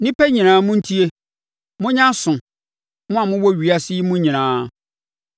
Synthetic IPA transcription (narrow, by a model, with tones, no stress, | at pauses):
nɪ̃˦pɛ˦ɲĩ˨nãː˨˦mʊ̃˦n̩˦tʰi˦e˦ | mʊ̃˦ɲã˦sʊ̃˨ | mʊ̃˦a˨mʊ̃˦wɔ˦ɥi˨a˨sɪ˦i˦mʊ̃˦ɲĩ˨nãː˨˦